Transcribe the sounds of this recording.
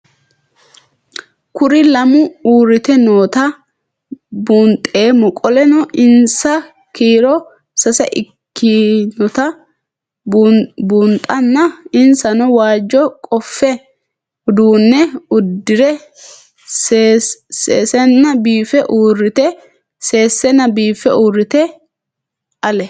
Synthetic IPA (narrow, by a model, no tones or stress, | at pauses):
kʊɾɪlɐmʊuːɾːɪt̪ɛnoːt̪ɐ | buːnt̪ʼːeːmɔkʼɔlɛnɔʔɪnsɐ | kiːɾɔ | sɐsɛ̰ʔɪkːɪnɔt̪ɐ | buːnt̪ʼːɐnːɐɪnsɐnɔwaːd͡ʒːɔkʼɔfːɛ | ʊd̪uːnːɛʊd̪ːɪɾɛ | seseːsɛnːɐbiːfɛʔuːrːɪt̪ɛ | se̞ːsːɛnːɐbiːfɛuːrːɪt̪ɛ | ɐlɛ